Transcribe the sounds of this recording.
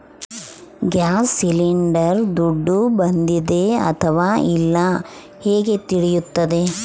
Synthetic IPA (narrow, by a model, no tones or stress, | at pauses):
ɡjaːsːiliɳɖɐɾd̪uɖːubɐnd̪id̪e̞ɐ̰t̪ʰɐʋaːilːɐ | heːɡe̞t̪iɽijut̪ːɐd̪e̞